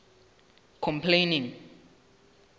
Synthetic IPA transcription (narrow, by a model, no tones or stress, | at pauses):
kʰɔ̃mpʰlenĩŋ